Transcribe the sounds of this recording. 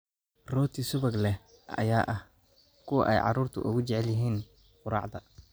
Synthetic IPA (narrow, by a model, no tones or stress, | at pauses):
rɔːt̪ʰisʊβɐɡlɛ | ɐ̰jaːʔɐh | kʰʊwɐ̰ʔɛ̰jʕɑ̰ruːrt̪ʰʊ̰ʔʊ̰ɣʊt͡ʃɛʕɛljɪɦiːn | qʊɾɑ̰ʕd̪ɐ